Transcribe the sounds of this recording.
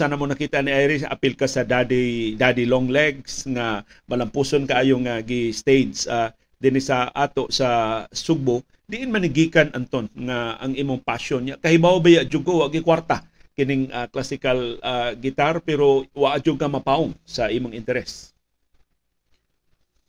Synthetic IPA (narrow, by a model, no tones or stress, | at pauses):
sanamonakit̪aniajɾɪsa̰pɪlkasad̪adid̪adilɔŋlɛɡsŋa | malampusonkaajoŋaɡist̪ejdsa | d̪inɪsaʔat̪oʔsasuɡ̚bo | d̪iʔɪnmaniɡikanʔant̪onŋaa̰ŋimʊŋpaʃɔnjakaɦibawabajaʔd͡ʒuɡawaʔɡikwart̪a | kɪnɪŋaklasɪkalaɡit̪arpɛɾowaʔad͡ʒuɡamapaʊŋsaimʊŋɪnt̪ɛɾɛs